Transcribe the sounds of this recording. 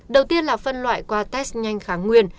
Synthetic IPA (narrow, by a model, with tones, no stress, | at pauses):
ɗə˨˩wt̪i˧ənlaː˨˩fə˧nlwa̰ː˧˨jkwaː˧t̪ɛ˦˥sɲa˧jŋ̟xaː˨˦ŋwi˧ən